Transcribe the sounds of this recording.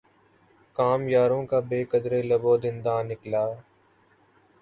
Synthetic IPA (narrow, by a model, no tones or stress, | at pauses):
kaːmjaːɾõːkaːbeːkəd̪ɾeːləboːd̪ɪnd̪ãːnɪklaː